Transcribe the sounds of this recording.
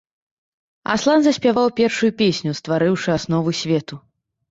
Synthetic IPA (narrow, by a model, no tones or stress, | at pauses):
a̰slˠanzɐsʲpʲavawpʲɛrʂujupʲesʲnʲust̪vaɾɨwʂɨasnɔvusʲvʲɛt̪u